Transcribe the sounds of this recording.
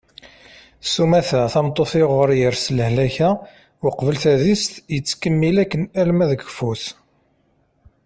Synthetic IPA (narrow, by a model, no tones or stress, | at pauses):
sumæθæθɑmt̪ˤːoθɪʁəɾjəɾsləhlæçæ | wəqvəlθæðist̪jət͡sːkəmːilækːənælmæðəɡfuθ